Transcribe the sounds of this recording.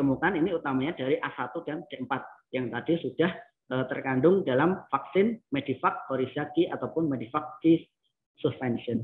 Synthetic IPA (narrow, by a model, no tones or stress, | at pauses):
əmukaniniut̪amaɲad̥aɾiʔasat̪ukand̥aʔəmpat̪̚jaŋt̪ad̥isud̥ah | ʔət̪ərkandʊŋdalamfaksɪnmed̥ifak̚hoɾisiakiat̪awpʊnmedifak̚ki | suspɛnʃən